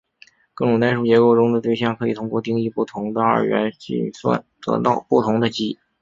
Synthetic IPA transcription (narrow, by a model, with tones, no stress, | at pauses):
kɤ˥˩ŋjt̪a˥˧ʂu˥˩t͡ɕjɛ˧˥ko˥ʊʈ͡ʂʊ˥ŋd̪ə˨t̪we˥˧ɪɕ̬jɑ˥˩ŋkʰɤ˧˥i˨˩t̪ʰʊ˥ŋkwɔ˥˧t̪i˥ŋi˥˧pu˥˩t̪ʰʊ˧˥ŋd̪ə˧ə̰˞˥˩ɥɛ̰˧˥nt͡ɕḭ˥˩swa̰˥˩nt̪ɤ̰˧˥t̪ɑ̰˥˧ʊpu˥˩t̪ʰʊ˧˥ŋd̪ə˧t͡ɕi˥˩